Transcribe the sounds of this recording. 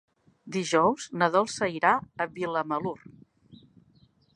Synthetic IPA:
d̪iʒɔwznəðɔlˠsəiɾaəβiləməlur

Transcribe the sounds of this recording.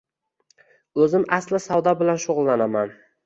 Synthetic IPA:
ɵzɪmʔaslɪsawd̪abɪlanʃʊʁʊlˠːanaman

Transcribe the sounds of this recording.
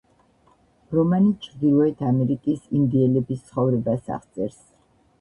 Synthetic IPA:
ɾɔmanit͡ʃʰʁd̪ilˠɔɛt̪ʰamɛɾikʼisind̪iɛlɛbist̪sʰχɔvɾɛbasa̰χt̪sʼɛɾs

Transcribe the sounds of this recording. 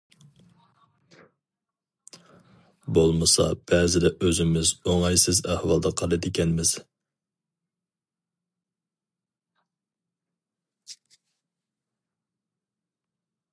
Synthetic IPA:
bolˠmɨsɑ̰b̥ɛːzɪd̪ɛʔøzɪmɪzoŋɑjsɪzæhwɑlˠd̪ɑqʰɑlˠɨd̪ɪkʲɛnmɪz̥

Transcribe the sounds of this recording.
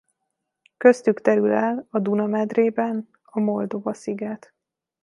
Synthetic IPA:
kø̞st̪ykt̪ɛɾylɛlɒd̪unɒmɛd̪reːbɛn | ɒmo̞ld̪o̞vɒsiɡɛt̪

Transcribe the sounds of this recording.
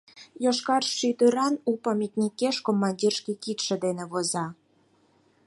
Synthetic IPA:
joʃkɑrʃːyd̪ø̆ɾɑnupɑmʲit̪nʲikeʃkomːɑnʲdʲirʃkikit̪ʃĕd̪enĕβozɑ

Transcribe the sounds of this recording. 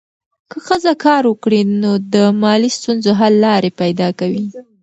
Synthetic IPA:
kəxəzakɑɾwəkɽinod̪əmɑlist̪unzoɦalːɑɾepajd̪ɑkawi

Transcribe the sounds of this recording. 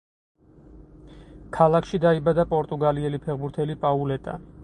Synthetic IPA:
kʰalˠakʰʃid̪aibad̪apʼɔɾt̪ʼuɡaliɛlipʰɛʁbuɾt̪ʰɛlipʼaulɛt̪ʼa̰

